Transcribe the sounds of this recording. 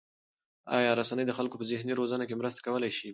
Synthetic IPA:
ɑ̰jɑɾasanəjd̪əxalkopəzɪhniɾozanakemɾəst̪ḁkawəlajʃi

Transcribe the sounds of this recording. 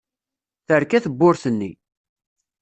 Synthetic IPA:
θəɾkæθəbːʊɾθənːḭ

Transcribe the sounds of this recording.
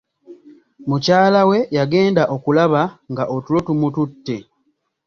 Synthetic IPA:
mucaːlawe̞jaɡe̞ːndaʔo̞kulaβaŋɡaʔotulo̞tumututːe̞

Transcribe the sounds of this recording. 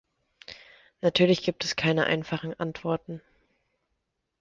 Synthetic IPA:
natʰyːɐlɪçɡ̥iːp̚tɛskʰaɪnəʔa̰ɪnfaχn̩ʔa̰ntv̥ɔɐtn̩

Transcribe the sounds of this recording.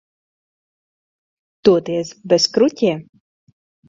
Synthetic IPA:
t̪uɔt̪iɛsbʲɛskɾut̪ʲiɛ

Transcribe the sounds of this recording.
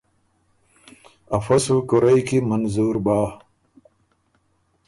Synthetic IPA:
ɐfɐsukuɾɐjkimɐnzuːɾbaː

